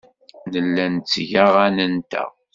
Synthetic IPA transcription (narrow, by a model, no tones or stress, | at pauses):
nəlːænt͡sːʝæʁanənt̪æ̰